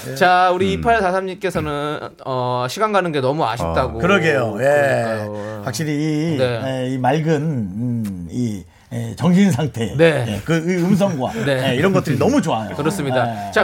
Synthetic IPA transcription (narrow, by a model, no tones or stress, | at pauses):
t͡ɕauɾiːpʰaɭsʰasʰamɲik͈e̞sʰʌnɯn | ʌɕʰiɡaŋɡanɯnɡe̞nʌmua̰ɕʰik̚t͈aɡokɯɾʌɡejoje̞ | ɸwak̚ɕ͈iɾiːne̞eimaɭɡɯn | i | et͡ɕʌŋɕʰins̬ʰaŋtʰe̞ne̞jekɯɯɯms̬ʰʌŋɡwa̰ne̞eiɾʌnɡʌt͈ɯɾinʌmut͡ɕoajokɯɾʌs͈ɯmɲidat͡ɕa